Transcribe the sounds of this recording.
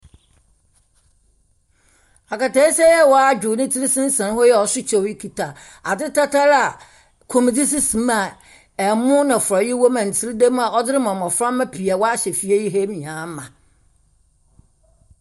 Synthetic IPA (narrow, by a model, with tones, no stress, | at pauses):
a˨ka˨ta˨˦i˦sɛ˦jɛ˦wɔ˦a˦d͡ʑᶣʊ˨nɪ̃˦tʰi˦ɾi˦sɪ̃˦n̩˦sã˨n˦ɦɔ˦jɛ˦ɔ˨sʊ˦t͡ɕʰɛ˦wi˦kʰi˨tʰa˨ | a˨dɪ˦tʰa˦tʰa˦ɾa˨ | kʰo˨m˨d͡zi˦s̬i˦sĩ˨m˦a˨ | ɛ˨mʊ̃˦nã˨fʊ˨ɾɔ˨jɪ˦wo˦mã˨n̩˨tʰɪ˦ɾi˦dẽ˦m˦a˨ɔ˦dɪ˦ɾɪ˦mã˨m˨ɔ̃˨fɾã˦mː˦ã˦pʰi˨a˨wɔ˦a˦ɕɛ˨fi˦e˦ji˦ɦe˦m˨ãː˨˦m˦mã˨